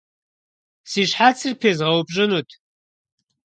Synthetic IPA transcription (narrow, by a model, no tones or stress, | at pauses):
siːɕħaːt͡sʰɨrpʰeːzʁɐwbʼʑʼɪnutʰ